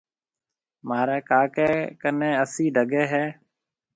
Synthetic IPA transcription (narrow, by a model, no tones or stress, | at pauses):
maːɾɛːkaːkeːkənẽːəsiːɖʱəɡeːɦɛː